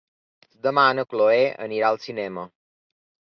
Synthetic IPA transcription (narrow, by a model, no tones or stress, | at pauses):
zd̪əmanəkloeʔə̰niɾaəlˠsinɛmə